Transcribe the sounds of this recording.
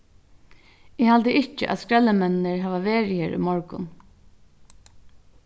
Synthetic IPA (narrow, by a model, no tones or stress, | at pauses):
ɪhalt̪əʔɪt͡ʃə̰ʔæ̰ðskɹɛlːəmɛnɪnəɹɦæːʋaʋeːɹɪheːɹʔʏ̰mɔɹkʊ̰n